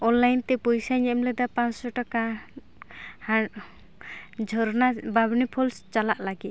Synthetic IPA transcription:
ɔnlːajnt̪ɛpɔjsaɲɛmlɛd̪apãt͡ʃsɔʈaka | ha | d͡ʒʱɔɾnababnipʰɔlst͡ʃalaʔlaɡit̪

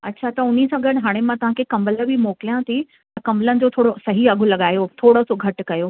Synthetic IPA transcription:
ɐtːɕʰat̪ɐʊnisãːɡʱɐɽɦaːɽ̃emãt̪ɐʋ̤ãkʰekɐ̃mbələbɪmɔːkɪlijãt̪ʰi | t̪ɐkɐ̃mələnɪ̆d͡ʑoːt̪ʰoːɽosɐɦiɐɡʱʊlɐɠaːjot̪ʰoːɽosoɡʱɐʈkɐjoː

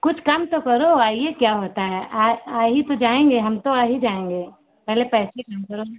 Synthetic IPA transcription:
kʊt͡ʃʰkamt̪okɐɾoaːijekjaːɦoːt̪aɦɛʔaːaːɦit̪od͡ʒaːẽːŋɡeɦɐmt̪oaːɦid͡ʒaːẽːŋɡeː | pɛɦlepɛːsekamkɐɾo

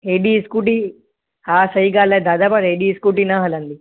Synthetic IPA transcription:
ɦeɖiskuʈi | haːsɐjɡaːlɐd̪aːd̪aːpɐɾɦeɖiskuʈinaɦɐlɐnd̪i

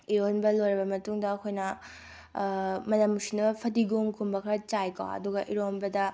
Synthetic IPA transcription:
iɾonbɐlojɾɐbɐmɐtuŋdɐːkʰojnɐ | mɐnɐmsinɐbɐpʰɐdiɡomkʰumbɐkʰɐɾɐt͡ʃajko̰ɐ̰duɡɐʔiɾonbɐdɐ

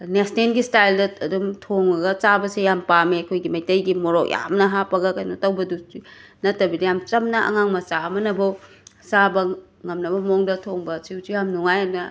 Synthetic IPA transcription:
nesnenɡistajldɐɐdumtʰoŋɐɡɐt͡ʃabɐsejampameɐkʰojɡimɐjtɐjɡimoɾok̚ja̰mnɐɦapɐɡɐkajnotɐwbɐdui | nɐtːɐbidɐjamt͡ʃɐmnɐʔɐ̰ŋaŋmɐt͡ʃaɐmɐnɐbɐw | t͡ʃabɐ | ŋɐmnɐbɐmoŋdɐtʰoŋbɐt͡ʃiwt͡ʃujamnuŋajanɐ

